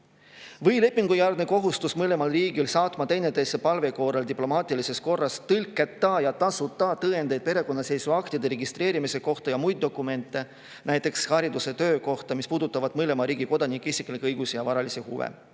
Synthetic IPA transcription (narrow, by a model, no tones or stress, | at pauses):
vɤjle̞pːˑiŋɡ̥ujærɡ̪̥neko̞ɦust̪usmɤle̞mɑlriːɡilsɑːt̪ˑmɑt̪e̞jne̞t̪e̞sːepɑlve̞ko̞ːɾeld̪iplo̞mɑːt̪ˑilise̞sko̞rːɑst̪ɤlʲkːˑet̪ːɑjɑt̪ɑsut̪ːˑɑt̪ɤːend̪e̞jd̪̥̚pe̞ɾe̞ko̞nːɑse̞jsuɑkt̪id̪̥e̞ɾe̞ɡist̪re̞ːɾimise̞ko̞ht̪ɑjɑmujd̪̚d̪o̞kːˑume̞nt̪ːˑe̞ | næjt̪ːˑe̞kshɑɾid̪use̞t̪ø̞ːko̞ht̪ɑmispuːd̪ut̪ːˑɑvɑd̪̥mɤle̞mɑɾiːɡ̥iko̞d̪ɑnikːˑeisikˑlikːˑɤjɡ̥usijɑvɑɾɑlisehṵvḛ